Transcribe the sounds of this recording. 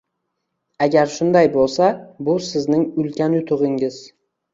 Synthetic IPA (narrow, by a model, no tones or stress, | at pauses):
aɡʲaɾʃʊnd̪ajbolˠsabʊsɪznɪŋʊlkʲʰanjʊt̪ʰʊʁɪŋɪz̥